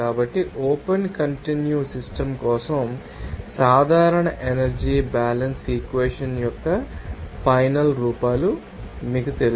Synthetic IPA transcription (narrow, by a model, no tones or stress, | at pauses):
aːbɐʈːiʔoːpɐnkɐɳʈinjuːsisʈɐmkɔːsɐm | saːd̪ʱaːɾɐɳɐʔenɐɾd͡ʒiːbaːlɐnsiːkʋeːʂɐnjɔkːɐpʰɐjnɐlɾuːpaːlu | miːkut̪el